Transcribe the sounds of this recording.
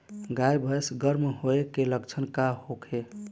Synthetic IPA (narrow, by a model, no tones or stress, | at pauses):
ɡajbʱəjsɡəɾmɦoekːeləkt͡ʃʰənkahokʰe